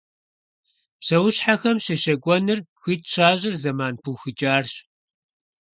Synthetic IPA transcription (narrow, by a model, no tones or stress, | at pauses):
pɕɐwʊɕħaxɐmɕɐʃɐɡʷʼɔnɨrxʷiːtɕaːʑʼɪrzɐmaːnpʰuːxɨt͡ʃʼaːrɕ